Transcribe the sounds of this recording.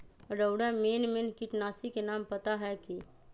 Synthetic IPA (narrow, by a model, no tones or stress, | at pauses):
ɾəʊɽamenmenkiʈnaːsikenaːmpət̪aɦɛki